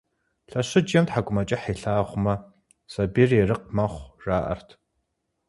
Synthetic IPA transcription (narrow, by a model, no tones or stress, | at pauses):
ɬɐɕɪd͡ʒjɐmtħaɡʷʼʊmɐt͡ʃʼɪħeɬaːʁʷʊmɐ | sɐbiːrjɛrɨq̚mɐχʷraːʔɐ̰rtʰ